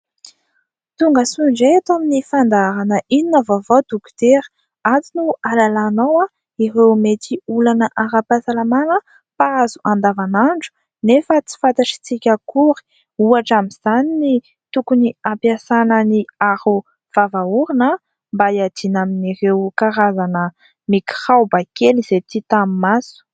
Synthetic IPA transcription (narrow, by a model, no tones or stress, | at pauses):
t̪uŋɡəsuɳd͡ʒet̪aminifand̪aɾanəʔininəvavod̪uki̥t̪eɾə̥ | at͡sinualalanowa | iɾewmet̪ʰiulanəʔaɾapasalamanə | paazu̥ʔand̪avanaɳɖ͡ʐu̥ | nefət͡si̥fat̪aʈ͡ʂi̥t͡sikʲəkuɾi̥ | uaʈ͡ʂamiz̥anini | t̪ukuniampjasanəniaɾu | v̥avauɾinə | mbajad̪inaminirewkaɾazanə | miki̥χawbakelizet̪it̪amimasu̥